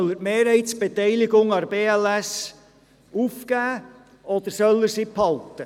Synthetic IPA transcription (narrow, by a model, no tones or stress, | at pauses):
ləɾmeːɾhɛɪtsb̥etɛɪlɪɡʊŋɑɾbeːɛlæs | ufkæː | ɔd̪̥əɾsœlːəɾsiphɑlt̪ə